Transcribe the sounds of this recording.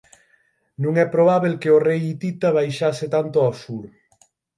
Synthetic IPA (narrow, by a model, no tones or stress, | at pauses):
nũŋɛpɾoβaβelkeorejit̪it̪aβ̞ajʃasɪt̪ant̪ʊasuɾ